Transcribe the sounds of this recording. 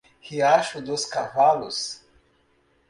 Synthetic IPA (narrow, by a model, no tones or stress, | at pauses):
hiaʃud̪oskavalus